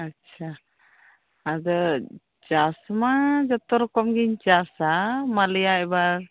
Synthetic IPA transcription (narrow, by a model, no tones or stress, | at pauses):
att͡ʃʰa | ad̪ɔ | t͡ʃasmad͡ʒɔt̪ɔɾɔkɔmɡiɲt͡ʃasamalijaɛbaɾ